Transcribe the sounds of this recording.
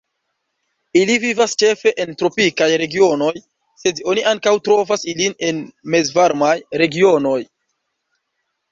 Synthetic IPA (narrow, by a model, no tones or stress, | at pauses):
ilivivast͡ʃe̞fe̞ʔentɾo̞pikajɾe̞ɡio̞no̞j | se̞do̞niʔaŋkawtɾo̞vasiline̞nme̞zvaɾmajɾe̞ɡio̞no̞j